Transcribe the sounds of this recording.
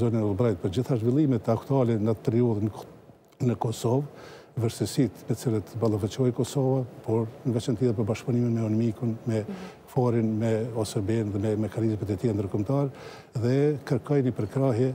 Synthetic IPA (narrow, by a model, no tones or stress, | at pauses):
zɔninulˠbɾajt̪̚pəɾd͡ʑiθaʒvilˠimɛt̪akt̪ualɛnat̪ːɾiuð | nəkɔsɔv | vəɾsəsit̪mɛt͡silət̪balˠavɛt͡ʃɔjkɔsɔvapɔɾnəɡat͡ʃɛnt̪iðɛpəɾbaʃkpuniminmɛɔnmikunmɛ | fɔɾinmɛɔsɔbɛnðɛmɛmɛkanizmɛt̪ɛt̪iɛnd̪əɾkɔmt̪aɾɛ | ðɛkəɾkɔjnipəɾkɾaɦjɛ